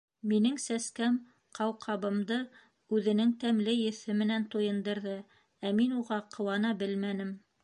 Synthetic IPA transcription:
minɘŋsæskæm | qʰɑwqʰɑβɤ̆md̪ɤ | ʉðɘ̆nɘŋt̪æmlɘjɵ̆θɘmɘ̆nænt̪ujɤ̆nd̪ɤ̆ɾðɤ | æminuʁɑqʰɤ̆wɑnɑbɘlmænɘm

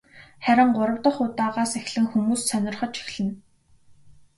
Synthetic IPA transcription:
χæɾʲɪ̆ɴɢʊɾə̆wt̪ə̆χʊt̪aːʁaːsexɮɘ̆ŋxumuːssœnʲɪ̆rχə̆t͡ɕi̥xɮɘ̆n

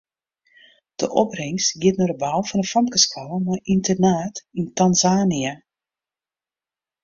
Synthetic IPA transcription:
d̥əʔɔprɪŋstɡɪətnorəbawˠfɔnəfɔmkəskaləmajʔintərnaːtintanzaːnia

